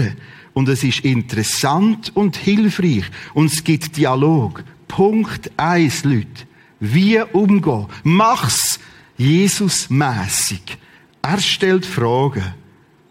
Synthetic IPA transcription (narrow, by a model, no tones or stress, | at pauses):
ə | ʊndɛsɪʃɪntəɾɛsantʊndhɪlfriːχʊndsɡ̥ɪtd̥ialoːɡ̥pʰʊŋktaɪslyt | viːəʔʊmɡɔːmɑχs | jeːsʊsmɛːsiɡ̥ | æːɾʃtɛltfrɔːɡə